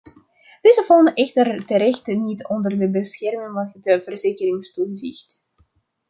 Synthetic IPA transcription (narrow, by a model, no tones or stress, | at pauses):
d̥ezəvɔlˠnəʔɛxtərtəɾɛxtnitɔndərdəbəsxɛrməŋɑkdəvərzeːkərɪŋstuəzɪxt